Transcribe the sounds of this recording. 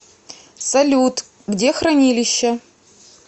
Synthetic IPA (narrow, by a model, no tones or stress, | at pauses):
sɐlʲut̪ | ɡdʲexɾɐnʲilʲɪɕːɐ